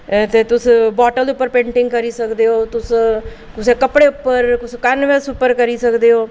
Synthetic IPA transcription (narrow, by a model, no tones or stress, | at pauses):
t̪et̪ʊsbɔːʈəlʊpːəɾpẽːɳʈɪ̃ŋɡkɐɾisɐkd̪eɦoːt̪ʊs | kʊsekɐpɽeʊpːəɾkʊskɐnʋesʊpːəɾkɐɾisɐkd̪eɦoː